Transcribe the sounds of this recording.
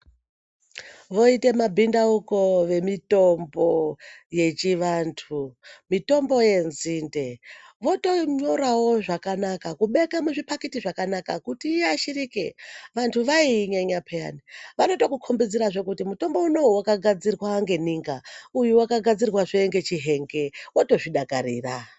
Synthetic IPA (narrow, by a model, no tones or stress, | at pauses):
ʋo̞ite̞mabʱindauko̞ʋe̞mito̞mboje̞t͡ʃiʋantʰumito̞mbo̞je̞nzinde̞ʋo̞to̞ɲo̞ɾawo̞ʐakanakakuɓe̞kamuʐipakitiʐakanakakutiːaʃirikeʋantʰuʋaiːɲeɲapʰeja̰niʋanotokukʰombid͡ziraʐe̞kutimuto̞mbo̞uno̞uwakaɡʱad͡zirrwaŋɡe̞niːŋɡaujuwakaɡʱad͡zirrwaʐieŋɡe̞t͡ʃiɦe̞ŋɡe̞woto̞ʐiɗakarḭːra